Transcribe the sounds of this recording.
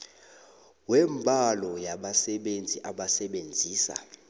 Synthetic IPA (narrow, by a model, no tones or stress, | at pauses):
wɛmbʱalɔjaɓasɛɓend͡zʱiʔaɓasɛɓend͡zʱiːsa̰